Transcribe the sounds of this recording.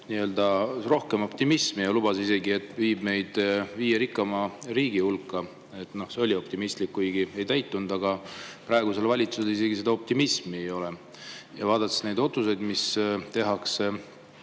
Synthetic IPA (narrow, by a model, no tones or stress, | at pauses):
niø̞ld̪̥ɑro̞hke̞mo̞pt̪imismijɑlubɑsise̞ɡie̞t̪ːˑviːbme̞jd̪̥viːjeɾikːˑɑmɑriːɡ̥ihulkːɑ | e̞t̪ˑno̞hse̞o̞lʲio̞p̚t̪imist̪likːujɡ̥ie̞jt̪æjt̪ːˑund̪̥ɑɡ̥ɑprɑeɡ̥use̞lvɑlʲit̪suse̞lis̬e̞ɡ̥ise̞d̪ɑo̞p̚t̪imismiejo̞le | jɑvɑːd̪̥ɑt̪ːˑesne̞jd̪̥o̞t̪suse̞jd̪̥mist̪e̞ɦɑkse